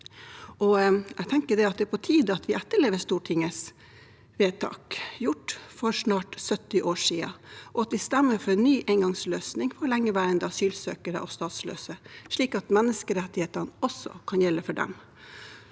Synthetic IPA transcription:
ʔɔɛɡt̪ʰɛŋkəɖɛɑt̪̚d̪ɛpʰɔt̪ʰiːd̪ɑt̪ʋɪʔæt̪ːəɭeːʋəst̪uːʈʰɪŋːəs | ʋeːt̪ʰɑ̰ːkjʊʈfɔɾʂnɑːʈsœt̪ːɪʔoːʂiːɑ̰ʔɔɑt̪ʋɪst̪æmːəɾfɔɾɛnnːyːʔeːŋɡɑŋsløːsnɪŋfɔɔlɛŋːəʋæːɾənd̪əɑsyːlsø̰ːkəɾə̰ʔɔ̰st̪ɑːt̪slø̰ːsəʂɭiːkɑt̪mɛnːəskəɾɛt̪ːɪheːt̪ənəɔsːɔ̰kʰɑnjɛlːəfɔɖɛ̰m

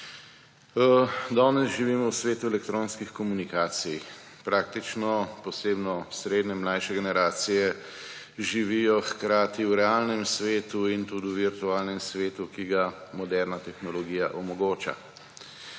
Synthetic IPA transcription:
d̪ɔːnɛsʒiʋiːmɔwsʋeːt̪uɛlɛkt̪ɾoːnskixkɔmunikaːt̪sij | pɾaːk̚t̪it͡ʃnɔpɔseːbnɔsɾeːd̪nɛmlajʃɛɡɛnɛɾaːt̪sijɛ | ʒiʋijɔxkɾaːt̪iwɾɛaːlnɛmsʋeːt̪uint̪ud̪iuʋiɾt̪uaːlnɛmsʋeːt̪ukiɡamɔd̪ɛɾnat̪ɛxnɔlɔɡiːjaʔɔmɔɡoːt͡ʃa̰

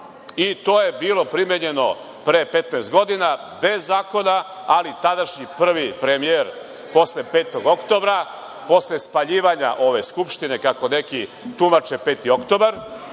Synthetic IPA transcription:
it̪o̞ːje̞biːlo̞pɾimjeɲe̞no̞ | pɾepe̞t̪naest̪̚ɡo̞d̪inabezːaːko̞na | alit̪ad̪aʃɲipr̩ʋipɾe̞mijeɾ | po̞sle̞pe̞ːt̪o̞ɡo̞kt̪o̞bɾa | po̞sle̞spaʎiːʋaɲa̰ʔo̞ʋe̞skupʃt̪ine̞kako̞ne̞kit̪umat͡ʃe̞pe̞ːt̪io̞kt̪o̞ːbaɾ

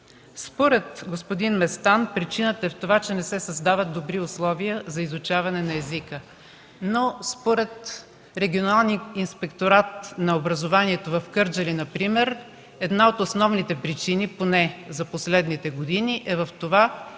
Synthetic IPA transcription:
spoɾɛt̪ɡospod̪inmɛst̪anpɾit͡ʃinət̪əɛft̪ovat͡ʃɛnɛsɛsɐzd̪avət̪̚d̪obɾiʊslˠɔvijəzɐizʊt͡ʃavɐnɛnɐɛzikə | nospoɾɛt̪ | ɾɛɡʲionalˠniinspɛkt̪oɾat̪̚nɐobɾɐzovaniɛt̪ovɐfkɤɾd͡ʒɐlinɐpɾimɛɾ | ɛd̪naot̪osnɔvnit̪ɛpɾit͡ʃiniponɛzɐposlɛd̪nit̪ɛɡod̪iniʔɛvɐft̪ova

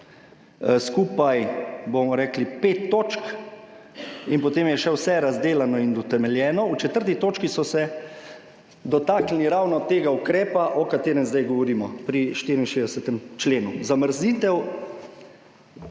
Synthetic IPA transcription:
skuːpajbomɔɾɛːklipeːt̪ːoːt͡ʃk | inpɔt̪eːmjɛʃɛwsɛɾazd̪eːlanɔind̪ɔt̪ɛmɛljɛːnɔut͡ʃɛt̪əɾt̪it̪oːt͡ʃkisɔsɛ | d̪ɔt̪aːklniɾawnɔt̪eːɡaukɾɛːpaʔɔkat̪eːɾɛmzd̪ajɡɔʋɔɾiːmɔpɾiʃt̪iːɾinʃeːd̪ɛsɛt̪ɛmt͡ʃleːnuzaməɾzniːt̪ɛw

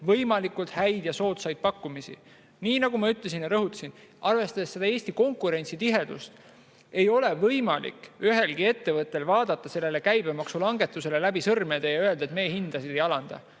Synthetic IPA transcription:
vɤjmɑlikːult̪hæjd̪̥jɑso̞ːt̪sɑjd̪̥̚pɑkːumisḭ | niːnɑɡ̥umɑyt̪le̞s̬injɑɾɤɦut̪ːˑsin | ʔɑrve̞st̪ɑd̪̥esːe̞d̪ɑeːsʲt̪iko̞ŋkˑuɾe̞nʲsit̪iɦe̞d̪̥ṵst̪ | e̞jo̞le̞vɤjmɑlḭkyɦe̞lɡ̥ie̞t̪ːe̞vɤt̪ːˑe̞lvɑːd̪̥ɑt̪ːˑɑse̞lːe̞le̞kæjbe̞mɑksulɑŋɡe̞t̪ːˑuse̞lelæbisɤrme̞d̪̥ɑjɑøe̞ld̪ɑet̪me̞ːhind̪̥ɑsid̪̥e̞jɑlɑnd̪̥ɑ̰

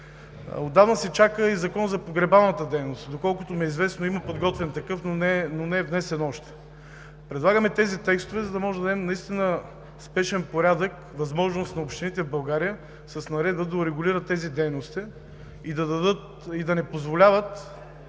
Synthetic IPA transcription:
od̪avnəsɛt͡ʃakəizɐkɔnzɐpoɡɾɛbalˠnət̪əd̪ɛjnost̪d̪okɔlˠkʊt̪omiɛizvɛsnoiməpod̪ɡɔt̪vɛnt̪ɐkɤfnonɛnonɛvnɛsɛnɔʃt̪ɛ̥ | pɾɛd̪lˠaɡəmɛt̪ɛzit̪ɛkst̪ʊvɛzɐd̪ɐmɔʒɛd̪ɐɛmɛnɐist̪inə | spɛʃɛnpoɾʲad̪ək | vɐzmɔʒnost̪nɐopʃt̪init̪ɛvbɐlˠɡaɾijə | sɐsnɐɾɛd̪bəd̪ɐʊɾɛɡʊlʲiɾət̪ːɛzid̪ɛjnost̪i | id̪ɐd̪ɐd̪ɤt̪ | id̪ɐnɛpozvolʲavət̪

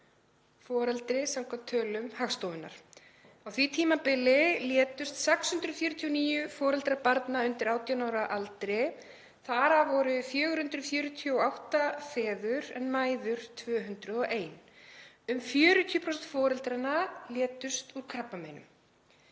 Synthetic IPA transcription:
fɔːɾɛlt̪ɾɪsamkʰɔmt̪ʰːœːlʏmhaxst̪oːwðɪnːa̰ɾ̥ | awθvit̪ʰiːmapɪlɪljɛːt̪ʏst̪sɛkshʏnt̪ɾʏfjœːɾʏt̪ʰijɔniːjʏfɔːɾɛlt̪ɾapaɾt̪naʏnt̪ɪɾaːwt̪janawɾaʔalt̪ɾɪ | θaɾavɔɾʏfjœːɣʏɾ̥hʏnt̪ɾʏfjʏːɾʏt̪ʰiɔawht̪afɛːðʏɾɛnmaːjðʏɾ̥t̪ʰvœːɦʏnt̪ɾʏðɔʔeːjn | ʏmfjœːɾʏt̪ʰijɔpʰɾɔsɛnt̪fɔːɾɛlt̪ɾanːaljɛːt̪ʏst̪uɾkʰɾapmamejnʏ̰m

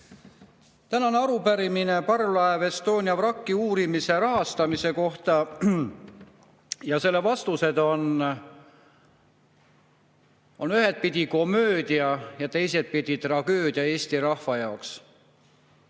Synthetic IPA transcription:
t̪ænɑneɑɾupæɾimine̞pɑrlɑeve̞st̪o̞ːnʲiɑvrɑkːiuːɾimise̞ɾɑɦɑst̪ɑmise̞ko̞ht̪ɑ | jɑse̞lːevɑst̪use̞d̪o̞n | onyɦe̞d̪̥̚pid̪ʲiko̞mø̞ːd̪̥iɑjɑt̪e̞jse̞d̪̥̚pid̪̥ʲit̪rɑɡ̥ø̞ːd̪̥ʲiɑe̞ːsʲt̪iɾɑhfɑjɑoks

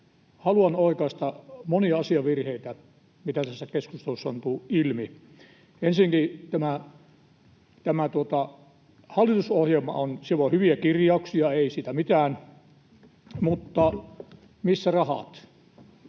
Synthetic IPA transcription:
hɑluɑnoˑikɑˑist̪ɑmoniɑɑsiɑʋʋirheit̪æ | mit̪æt̪æsːækeskust̪elusːɑont̪uːilmi | ensiŋkit̪æmæ | t̪æmæt̪uot̪ɑ | hɑlːˑit̪usohjelmɑ̰onsiʋohyʋiækirjɑuksiɑeˑisiːt̪æmit̪æːn | mut̪ːɑ | misːærɑhɑ̰t̪

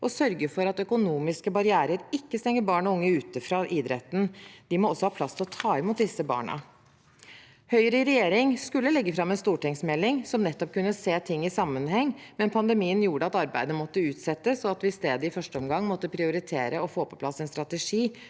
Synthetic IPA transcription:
ʔɔsœɾɡəfɔɾɑt̪œkʊnuːmɪskəbɑɾɪæːɾəɾɪkːəst̪ɛŋːəɾbɑːɳɔʊŋːəʉːt̪əfɾɑːʔɪd̪ɾɛ̰t̪ːn̩d̪̥ɪmɔɔsːɔhɑːpʰlɑst̪ʰɪlɔt̪ʰɑːɛmuːt̪̚d̪ɪsəbɑ̰ːɳɑ̰ | hœʏɾəɪɾɛjeːɾɪŋskʉlːəlɛɡːəfɾɑmːɛnst̪uːʈɪŋsmɛlːɪŋsɔmnɛt̪ːɔp̚kʉnːəseːt̪ʰɪŋːɪsɑmːənhɛŋːmɛnpʰɑnd̪ɛmiːənjuːɖəɑt̪ɑɾbæ̰ɪd̪əmɔt̪ːəʉːt̪sɛt̪ːəsɔɑt̪ʋɪɪst̪eːd̪əɪfœʂʈəɔmɡɑŋːmɔt̪ːəpʰɾɪʊɾɪt̪ʰḛːɾəɔfoːpʰɔ̥pʰlɑsːɛnst̪ɾɑt̪ɛʂiː

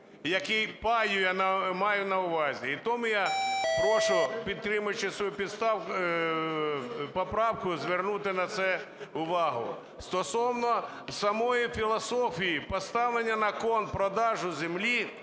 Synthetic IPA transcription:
jɐkɪjpɑjʊjanɐmɑjʊnɐʊʋɑzʲiit̪ɔmʊjapɾɔʃʊpʲid̪̚t̪ɾɪmʊjt͡ʃɪsʋɔjupʲid̪st̪ɑw | pɔpɾɑwkʊzʋernut̪ɪnɐt̪sɛ | ʊʋɑɦʊ̰ | st̪ɔsɔwnɔ | wsɐmɔjifʲilˠɔsɔfʲijipɔst̪ɑʋlˠenʲːɐnɐkɔnpɾɔd̪ɑʒʊzemlʲi

